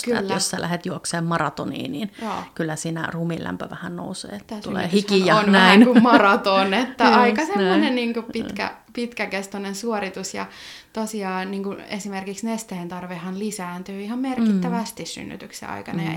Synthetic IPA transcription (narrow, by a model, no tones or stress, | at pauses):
kylːæosːælæhet̪juokseːmmɑrɑt̪onḭːniːnjjoːkylːæsiːnæ̰rumilʔæ̰mpøʋæhænno̰usḛːt̪ːt̪ːæsuyleːyːhiskːhiɑonʋnæiinkumɑrɑt̪onet̪ːæɑikɑsemːonenniːŋkuppikæ̰ | pit̪kækest̪onensuorit̪usjɑ̰t̪osiɑːniːŋkunḛsimerkiksnest̪eːnt̪ɑrʋehɑnlisæːnt̪yːihɑmmerkit̪ːæʋæst̪issy̰nːy̰t̪yksḛɑ̰ikɑnɑ̰